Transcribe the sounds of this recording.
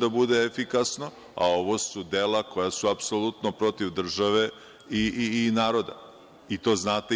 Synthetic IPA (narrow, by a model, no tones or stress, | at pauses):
d̪abud̪eefikasno̞ | a̰o̞ʋo̞sud̪elako̞jasuapsolut̪nopɾo̞t̪iʋd̪r̩ʒaʋe̞ | iiːnaːɾo̞d̪a̰ | it̪o̞ːznaːt̪e